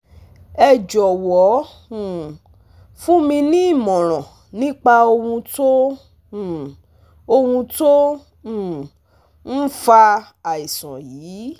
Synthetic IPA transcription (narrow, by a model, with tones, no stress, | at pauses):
ɛ˧d͡ʒɔ˨wɔ˨˦˨ | fũ˦mĩ˧nĩ˦i˦˨mɔ̃˨ɾ̃ɔ̃˨ | nĩ˦k͡pa˧o˧hũ˧to˦˨ | o˧hũ˧tõ˦˨ | n̩˦fa˧ | a˨i˨sã˨jiː˨˦